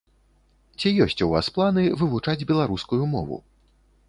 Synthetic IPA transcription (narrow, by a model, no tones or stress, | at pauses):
t͡sʲijɔsʲt͡sʲuva̰splˠanɨvɨvut͡ʂad͡zʲbʲɛlˠaɾuskujumɔ̰vṵ